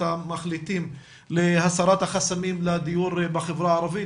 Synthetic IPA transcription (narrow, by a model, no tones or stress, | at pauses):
amaχlit̪im | lehasaɾat̪haχasamimlad̪ijuɾbaχevɾaːɾavi